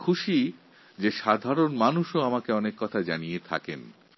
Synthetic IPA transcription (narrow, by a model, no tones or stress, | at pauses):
kʰuʃi | d͡ʑeʃad̪ʱaɾonmanuʃoamakeɔnekːɔt̪ʰad͡ʑanijet̪ʰa̰ken